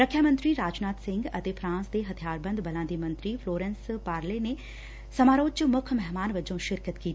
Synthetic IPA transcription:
ɾəkʰjaːmə̃nt̪ɾiɾaːd͡ʒnaːt̪sɪ̃ŋɡɐt̪epʰɾãːnsd̪eːɦɐt̪ʰijaːɾbə̃nd̪bɐlãnd̪imɐ̃nt̪ɾifʰloːɾɛ̃nspaːɾlene | sɐmaːɾoːt͡ʃmʊkʰmɛɦmaːnʋəd͡ʒõʃɪɾkət̪kiːt̪

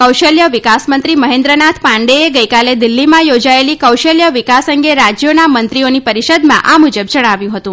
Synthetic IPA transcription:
kəwʃəljəʋɪkasmənt̪ɾiməɦẽnd̪ɾənat̪ʰpãɳɖeeɡəjkaled̪ɪlːimãjod͡ʒaelikəwʃəljəʋɪkasə̃ŋɡeɾad͡ʒjonamənt̪ɾionipəɾiʃəd̪mã̰ʔamud͡ʒəbd͡ʒəɽ̃aʋjũɦət̪ũ

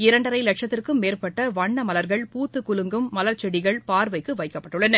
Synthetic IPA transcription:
ɪɾɐɳɖɐɾɐɪlɐʈʂɐt̪ːɪrkɯmːeːrpɐʈːɐʋɐɳːɐmɐlɐɾɣɐɭpuːt̪ːɯkʊlɯŋɡɯmːɐlɐɾt͡ʃɛɽɪɣɐɭpaːɾʋɐɪkːɯʋɐɪkːɐpːɐʈːɯɭːɐnɐ

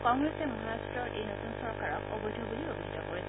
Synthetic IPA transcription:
kɔŋɡɹesemɔɦaɹastɹɔɹʔejnotunsɔɹkaɹɔkɔbɔjdʱobuliobidʱitɔkoɹis

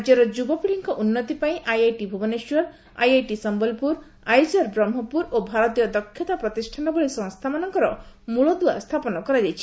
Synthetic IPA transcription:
d͡ʒjɔɾɔd͡ʒubɔpiɭiŋkɔʔunːɔt̪ipaĩʔajajʈibʱubɔneʃɔɾ | a̰jajʈisɔmbɔlpuɾ | ajd͡ʒɔɾbɾɔmːɔpuɾobʱaɾɔt̪ijɔd̪ɔkʰːjɔt̪apɾɔt̪isʈʰanɔbɔɭisɔ̃ŋst̪ʰamanɔŋkɔɾɔmuɭɔd̪ua̰st̪ʰapɔnɔkɔɾad͡ʒajt͡ʃʰi̥

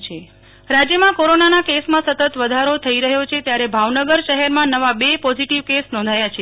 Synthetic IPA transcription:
t͡ʃʰe | ɾad͡ʒjəmãkoɾonanakesmãsət̪ət̪ʋəd̪ʱaɾot̪ʰəiɾəɦjot͡ʃʰet̪jaɾebʱaʋnəɡəɾʃəɦɛɾmãnəʋabepɔziʈiʋkesnɔ̃nd̪ʱajat͡ʃʰe

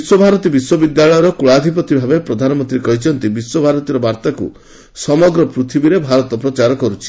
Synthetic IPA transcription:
biswɔbʱaɾɔt̪ibiswɔbid̪jaɭɔjɔɾɔkuɭad̪ʱipɔt̪ibʱabepɾɔd̪ʱanɔmɔnt̪ɾikɔɦit͡ʃʰɔnt̪ibiswɔbʱaɾɔt̪iɾɔbaɾt̪akṵ | sɔmɔɡɾɔpɾut̪ʰibiɾebʱaɾɔt̪ɔpɾɔt͡ʃaɾɔkɔɾut͡ʃʰi̥

